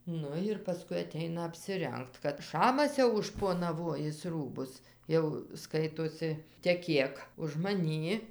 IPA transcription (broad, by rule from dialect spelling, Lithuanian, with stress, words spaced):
ˈnʊ ɪr pɐˈskʊɪ ɐˈtʲɛɪnɐ ɐpʲsʲɪˈrʲɛŋkt kɐt ˈʃɑːmɐs jɛʊ ʊʃʃpoːnɐˈʋoːjɪs ˈruːbʊs ˈjɛʊ ˈskɐɪtoːsʲɪ tʲɛˈkʲeːk ʊʃ mɐˈnʲiː